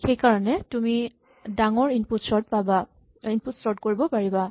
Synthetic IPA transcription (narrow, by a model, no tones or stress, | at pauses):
xejkaɹɔnɛtumi | daŋɔɹinputsɔɹt̚paba | inputsɔɹtkoɹibɔpaɹiba